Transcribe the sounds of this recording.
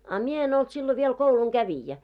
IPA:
ɑ mie en olt silːo ʋiel kouluŋɡ̊æʋijæ

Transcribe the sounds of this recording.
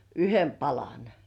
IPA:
yhem pɑlɑn

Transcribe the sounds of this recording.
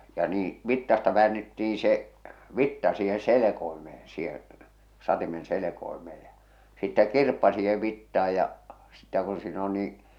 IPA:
jɑ niː ʋitːɑstɑ ʋæːnːetːiːn̞ se ʋitːɑ siːhen̞ selekoimeː sihẽː sɑtimen selekoimeː j̊ɑ̥ sitːæ kirpːɑ siːheʋ ʋitːɑːj jɑ sitːæ kun siːn on niː

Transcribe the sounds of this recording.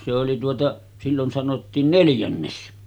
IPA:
se oli tuotɑ silːon sɑnotːiːn neljænːes

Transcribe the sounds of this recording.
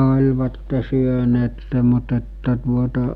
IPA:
olʲʋɑtːe syøneːtːe mut etːæ tuotɑ

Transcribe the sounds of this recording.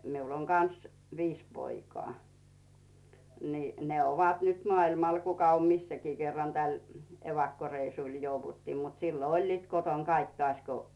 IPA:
miul oŋ kɑns ʋiːs poikŏɑˑ niˑ ne oʋɑt nyt mŏɑilmɑl kukɑ om misːækiː kerːɑn tæl eʋɑkːoreisuˑl jouʋutːiː mut silːo olʲliːt koton kɑik tŏɑˑsʲko

